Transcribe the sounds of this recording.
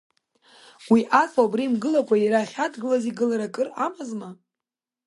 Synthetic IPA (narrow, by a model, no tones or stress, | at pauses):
wiʔat͡sʼabrimɡɨlakʷʰʼaiɾaχʲadɡɨlaziɡɨlaɾakʼɨramazma